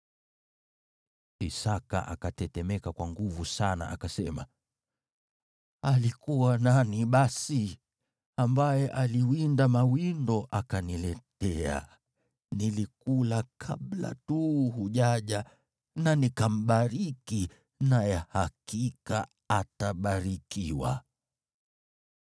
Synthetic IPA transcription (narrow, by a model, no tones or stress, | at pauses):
isaka̰ʔa̰katɛtɛmɛkakwaŋɡuvusana̰ʔakasɛma̰ | alikuwananiɓasi | ambajɛʔaliwindamawindɔʔakanilɛtɛa̰ | nilikulakʰaɓla̰tuhuʄaʄa | nanikam̩ɓaɾiki | najahakika | ataɓaɾikʰiwa̰